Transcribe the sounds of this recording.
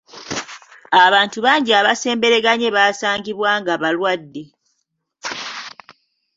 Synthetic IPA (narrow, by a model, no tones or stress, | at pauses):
aβaːntuβaːɲɟiaβase̞ːmbe̞ɾe̞ɡaɲe̞βaːsaːɲɟiβwaːŋɡaβalwadːe̞